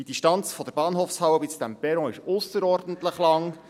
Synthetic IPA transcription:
d̥id̥̪iʃtɑnt͡sfɔd̥̪əɾb̥ɑːnɦoːfshɑwəbit͡sd̥̪æmpɛɾɔ̃ːɪʃʊsəɾɔɾdən̩t̪ləχlɑŋ

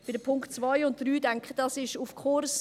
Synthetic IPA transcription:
b̥ɪdəpʰʊŋktt͡svɔɪʊntd̥ryːdɛŋkχəd̥ɑsɪʃufkʰʊɾs

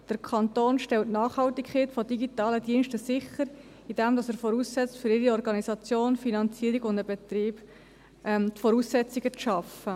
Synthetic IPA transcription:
d̥əɾkʰɑnt̪oːnʃtɛltnɑːχhɑltikχɛːtfɔd̥iɡitɑːlədiənʃtəsɪχəɾ | id̥ɛmdɑsəɾfɔɾuːssɛt͡stfʏɾɪɾiɔɾɡɑnisɑt͡sjoːnfinɑnt͡siːəɾiɡʊndəbɛt̪riːb̥ | ʔɛmtfɔɾuːsːɛt͡siɡət͡sʃɑfə

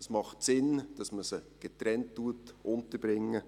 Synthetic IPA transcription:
smɑχtsɪnd̥ɑsməsəɡ̥etɾɛntːuətʔʊntəbɾɪŋːə

